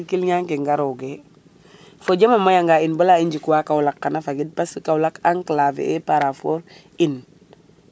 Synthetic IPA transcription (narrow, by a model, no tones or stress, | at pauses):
ikilɲaŋkiŋɡaɾoɡe | foɟamamajaŋɡainbəlaiɲɟikuwakawulakːanafaɡid̚pasikawlakaŋkəlafḛepaɾafoɾ | in